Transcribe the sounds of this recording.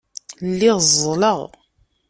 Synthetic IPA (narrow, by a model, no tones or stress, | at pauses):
lːiðzˤːləʁ